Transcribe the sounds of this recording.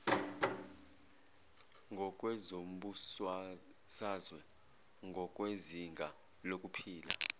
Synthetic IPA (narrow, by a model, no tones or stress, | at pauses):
ŋɡʱɔkʼwɛzom̩ɓus | sazwɛ | ŋɡʱɔkʼweziŋɡʱa | lokʼupʰiːla̰